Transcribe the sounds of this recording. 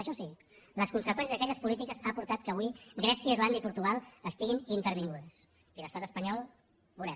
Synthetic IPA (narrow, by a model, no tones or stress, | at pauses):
əʃɔsi | ləskunsəkwɛnsizðəkɛʎəspulit̪ikəzapuɾt̪at̪̚kəβwiɡɾɛsiəirland̪əipuɾt̪uɣ̞alˠəst̪iɣinint̪əɾβ̞iŋɡuðəs | iləst̪at̪əspəɲɔlˠ | bulɛ